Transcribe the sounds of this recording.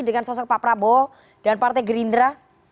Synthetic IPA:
dəŋansɔsɔk̚papɾabɔ | d̥anpart̪ɛjɡəɾindɾa

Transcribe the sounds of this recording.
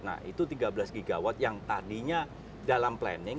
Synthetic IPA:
na̰ḭt̪ut̪iɡabəlasɡiɡawat̪̚jaŋt̪adiɲa | dalamplɛ̰nɪ

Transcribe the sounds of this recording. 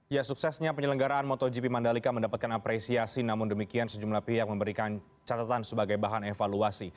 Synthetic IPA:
jasuksɛsɲapəɲələŋɡaɾaʔanmot̪ɔd͡ʒipimandalikaməndapat̪̚kanapɾesiasinamʊndəmikiansəd͡ʒumlapiɦak̚məmbəɾikan | t͡ʃat̪at̪ansəbaɡajbaɦanefaluasi

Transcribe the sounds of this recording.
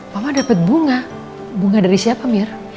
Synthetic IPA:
mamadapət̪̚buŋa | buŋadaɾisiapamir

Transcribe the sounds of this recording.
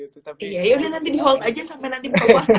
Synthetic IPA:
okejajaudahnant̪̬idiɦɔlt̪ad͡ʒasampɛnant̪iba

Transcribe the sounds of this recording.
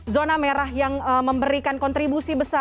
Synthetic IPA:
zonameɾaɦjaŋəməmbəɾikankɔnt̪ɾibusibəsa

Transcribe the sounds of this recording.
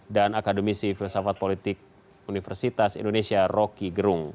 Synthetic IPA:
danakadomisifilsafat̪̚polit̪ɪk̚ | unifɛrsit̪asḭndonesiarɔkiɡəɾuŋ

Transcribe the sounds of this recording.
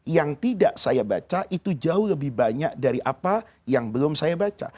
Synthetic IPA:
jaŋt̪idaʔsajaba̰t͡ʃaʔit̪ud͡ʒaʊhləbɪhbaɲak̚daɾiʔapa | jaŋbəlʊmsajabat͡ʃa̰

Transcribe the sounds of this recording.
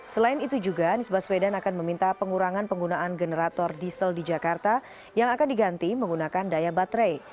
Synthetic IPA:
səlaɪnit̪ud͡ʒuɡanisbaswedanakanməmint̪apəŋuɾaŋanpəŋɡunaanɡənəɾat̪ɔrdisəldid͡ʒakart̪a | jaŋakandiɡant̪iməŋɡunakandajabat̪ɾej

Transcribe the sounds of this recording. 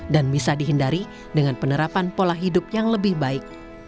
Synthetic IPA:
danbisadiɦəndaɾi | dəŋanpənəɾapanpolahidʊp̚jaŋləbɪhbaɪk̚

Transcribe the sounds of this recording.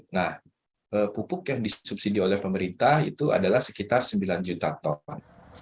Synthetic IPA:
nah | ʔəpupʊkjaŋdisup̚sidiolɛhpəməɾint̪ahḭt̪ua̰dalahsə̥kit̪arsəmbiland͡ʒut̪at̪ɔn

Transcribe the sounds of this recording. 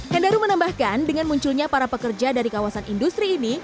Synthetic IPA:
hɛndaɾumənambahkandəŋanmuɲt͡ʃulɲapaɾapəkərd͡ʒadaɾikawasanindust̪ɾiːni

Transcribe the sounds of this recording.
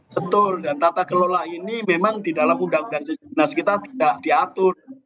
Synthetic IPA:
bət̪ʊldant̪at̪akəlolaʔinimemaŋd̪idalamudaudaŋsənasəkit̪art̪idaʔdiat̪ʊr

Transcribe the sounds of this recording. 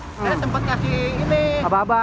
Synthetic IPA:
adat̪əmpat̪̚kasiiniababa

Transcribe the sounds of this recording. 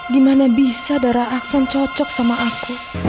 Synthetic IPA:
dimanabisadaɾaaksant͡ʃɔt͡ʃɔk̚samaʔaku

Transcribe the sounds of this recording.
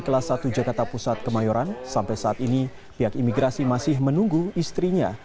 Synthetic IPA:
kəlasat̪ud͡ʒakart̪apusat̪̚kəmajɔɾansampajsaʔat̪ini | piɦakimiɡɾasimasɪhmənuŋɡuist̪ɾiɲa̰

